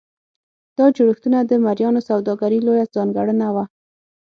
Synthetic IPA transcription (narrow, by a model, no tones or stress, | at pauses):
d̪̥ɑd͡ʒuɽəxt̪unad̪əmaɾjɑnosawd̪ɑɡaɾilojazɑŋɡaɽənawa